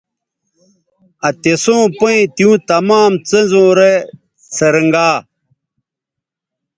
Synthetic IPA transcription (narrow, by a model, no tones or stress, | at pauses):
ɐt̪esõːpɐĩt̪ijũːt̪ɐmaːmt͡senzõːɾe | sɐɾəŋɡaː